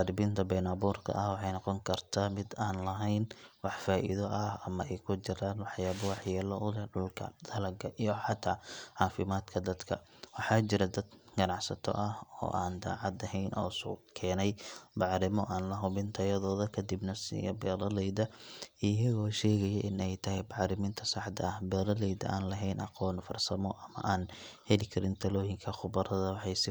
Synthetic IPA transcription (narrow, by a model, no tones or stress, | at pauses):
aɾɪbɪnt̪ʰɐbɛːnabuːrkʰɐ̰ʔɐhwɑħɑjnɑqɔŋkʰɐrt̪ʰaːmɪd̪aːnlɐɦɛjnwɑħfaːʔḭðɔʔɐhɐmɐʔɛjkʰʊt͡ʃɪɾaːnwɑħjaːβɐwɑħjɛːlɐʊlɛɖʊlkʰɐ̰d̪̥ɐlɐɡʰɐʔijɔħɑt̪ʰaːʕɑːfɪmaːd̪kʰɐd̪ɐd̪kʰɐ | wɑħɑːt͡ʃɪɾɐd̪ɐd̪ɡɐnɑʕsɐt̪ʰɔ̰ʔɐhɔ̰ːʔaːnd̪a̰ːʕɑd̪ɐɦɛjnʔɔ̰ːsɔ̰kʰɛːnɛjbɑʕɾɪmɔʔaːnlɐɦʊβɪnt̪ʰɐjɐðɔːðɐkʰɐd̪ibnɐsḭjɐbɛːɾɐlɛjðɐijɐɣɔːʃɛːɣɐjɛʔɪnɛjt̪ʰɐɦɛjbɑʕɾɪmɪnt̪ʰɐsɑħd̪ɐ̰ɐhbɛːɾɐlɛjðɐ̰ʔaːnlɐɦɛjnɑ̰qɔːnfɐrsɐmɔʔɐmɐ̰ʔaːnhɛlɪkʰɐɾɪnt̪ʰɐlɔːjɪŋkʰɐχʊbɐɾɐðɐwɑħɑjsɪ